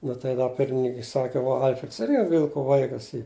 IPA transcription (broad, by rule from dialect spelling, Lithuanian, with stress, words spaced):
ˈnʊ tɐɪ dɐ ˈpʲɪrʲmʲɪnʲɪŋkʊɪ ˈsɑːkʲɪ ˈʋɐ ˈɐlʲfʲrʲɛts ˈɪrʲɡʲɪ ˈʋʲɪlˠkʊ ˈʋɐɪkɐs ˈiː